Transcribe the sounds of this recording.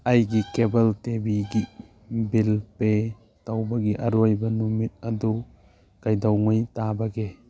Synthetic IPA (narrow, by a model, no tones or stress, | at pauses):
ajɡikebɐltebiɡi | bilpe | tawbɐɡiʔɐɾojbɐnumit̚ɐdu | kajdawŋɯjtabɐɡe